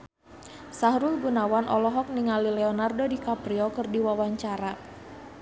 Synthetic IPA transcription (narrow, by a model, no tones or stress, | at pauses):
saɦɾulɡunawanʔɔlɔɦɔk̚niŋalilɛɔnardodikapɾiɔkərdiwawaɲt͡ʃaɾa